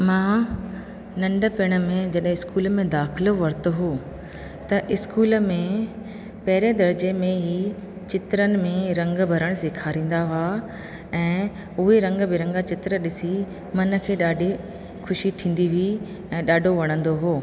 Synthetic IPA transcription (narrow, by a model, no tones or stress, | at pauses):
mãː | nɐ̃ɳɖʱə̆pɪɽ̃ə̆mẽd͡ʑɐɗɦɪ̃ɪskuːlmẽd̪aːxɪloʋɐɾt̪ə̆ɦoː | t̪ɐʔɪskuːləmẽ | pɐɦɪɾed̪ɐɾd͡ʑemẽɦiː | t͡ɕɪt̪ɾənɪ̆mẽɾɐ̃ŋɡbʱɐɾəɽ̃sɪkʰaːɾĩːn̆d̪aɦʊa | ɛ̃ː | ʊɦeɾɐ̃ŋɡbɪɾɐ̃ŋɡat͡ɕɪt̪ɾəɗɪsi | mɐnə̆kʰeːɗaːɖʱi | kʰʊʃit̪ʰĩːn̆d̪iʋi | ɛ̃ːɗaːɖʱoʋɐɽ̃ə̃nd̪oɦoː